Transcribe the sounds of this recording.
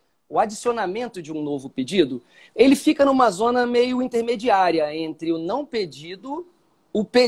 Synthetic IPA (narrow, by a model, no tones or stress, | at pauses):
ʊad͡ʒisionamẽnt̪ʊd͡ʒɪũnovʊped͡ʒid̪ʊ | elɪfikɐnũmɐzõnɐmejʊĩnt̪eɾmed͡ʒiaɾiɐẽnt̪ɾɪʊnɐ̃w̃ped͡ʒid̪ʊ | ʊpe